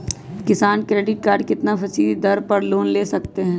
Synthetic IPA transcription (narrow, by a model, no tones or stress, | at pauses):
kɪsaːnkɾeːɖɪʈ̚kaːɾɖkɪt̪napʰɐsiːlid̪ɐɾpɐɾloːnleːsɐk̚t̪eɦɛ̃ː